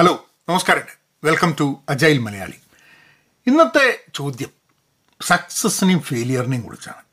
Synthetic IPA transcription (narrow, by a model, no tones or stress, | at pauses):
heloː | nɐmɐskaːɾɐŋɖɨ | ʋelkɐmtuɐd͡ʑaːjilmɐlɐja̰ːɭḭ | inːɐt̪ːet͡ɕo̞ːd̪jɐm | sɐksɐsnimfeːlijɐrniŋkṵɽḭt͡ɕːa̰ːɳɨ